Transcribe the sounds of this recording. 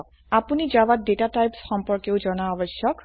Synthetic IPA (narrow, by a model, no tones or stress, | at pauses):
apunizawat̚detatajpsxɔmpɔɹkeʊzɔnaɔbɔsjɔk